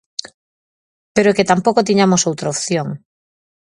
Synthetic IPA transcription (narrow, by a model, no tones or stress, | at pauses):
peɾoket̪ampokot̪̬iɲamosowt̪ɾaopθjoŋ